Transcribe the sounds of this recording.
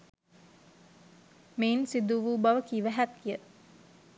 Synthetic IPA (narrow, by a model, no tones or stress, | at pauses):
meːnsid̪uʋuːbaʋəkiʋæɦæt̪̚kijə